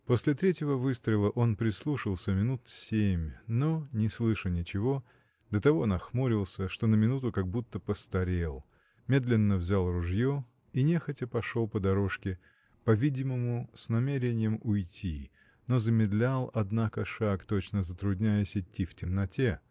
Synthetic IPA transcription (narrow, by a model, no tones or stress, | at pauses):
po̞sʲlʲɪt̪ɾʲetʲjɪvəvɨst̪ɾəɪlˠəʔo̞npɾʲɪslˠuʂəlˠsʲəmʲɪnut̪sʲemʲno̞nʲɪslˠɨʂənʲɪt͡ɕɪvo̞ | d̪̥ət̪ɐvo̞nɐxmuɾʲɪlˠsʲəʂt̪o̞nəmʲɪnut̪ʊkɐɡ̚but̪ːəpəst̪ɐɾʲelˠ | mʲe̞d̪lʲɪnːəvzʲalˠrʊʐjo | inʲe̞xətʲɪpɐʂo̞lˠpəd̪ɐɾo̞ʂkʲɪ | pɐvʲidʲɪməmʊsʲnɐmʲeɾʲɪnʲɪjəmʊjtʲi | no̞zəmʲɪd̪lʲalˠɐd̪nakəʂakt̪o̞t͡ɕnəzət̪ɾʊdʲnʲæjəsʲɪtʲːiftʲɪmnɐtʲe